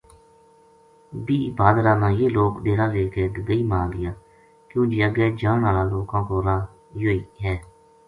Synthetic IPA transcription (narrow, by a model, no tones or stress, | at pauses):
biːbaːd̪ɾaːnãːjeːloːkɗeːɾaːleːkeːd̪əɡəiːmaːd̪ɪjaː | kjõːd͡ʒeːəɡɛːd͡ʒaːnaːlaːloːkãːkoːɾaː | joːiːɦɛː